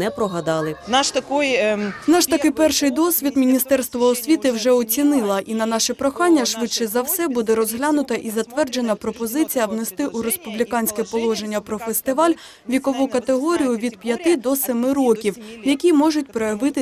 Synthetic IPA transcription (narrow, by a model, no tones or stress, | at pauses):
nɛpɾɔɦɐd̪ɑlˠɪnɑʃt̪ɐkujnɑʃt̪ɐkɪjpɛrʃɪjd̪ɔsʲʋʲid̪mʲinʲist̪ɛrst̪ʋɐɔsʲʋʲit̪ɪwʒɛɔt͡sʲinɪlˠɐʔinɐnɑʃɛpɾɔxɑnʲːɐʃʋɪtʃɛzɐwsɛbud̪ɛɾɔzɦlʲanʊt̪ɐʔizɐt̪ʋɛrd͡ʒe̞n̪ɐpɾɔpɔzɪt͡sʲijɐwnest̪ɪʔuɾespublʲikɑnʲsʲkɛpɔlˠɔʒe̞nʲːɐpɾɔfest̪ɪʋɑlʲ | ʋʲikɔʋukɐt̪eɦɔɾʲijʊʋʲid̪pjɐt̪ɪd̪ɔsɛmɪɾɔkʲiwjɐkʲimɔʒʊt̚ʲpɾɔjɐʋɪt̪ɪ